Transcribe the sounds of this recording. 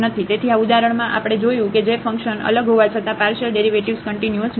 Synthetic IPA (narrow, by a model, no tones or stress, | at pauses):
nət̪ʰit̪et̪ʰiaud̪aɾəɳmãʔa̰pəɽ̃ed͡ʒojũked͡ʒefə̃ŋkʃənə̰ləɡɦoʋat͡ʃʰət̪ãpaɾʃəlɖeɾiʋeʈiʋskəɳʈinjuəs